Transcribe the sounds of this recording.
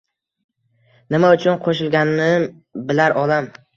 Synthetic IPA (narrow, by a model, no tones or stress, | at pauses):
nɪmaʊt͡ʃʰʊnqʰoʃ̬ɪlɡʲanɪnɪ | bɪlaɾʔɒlam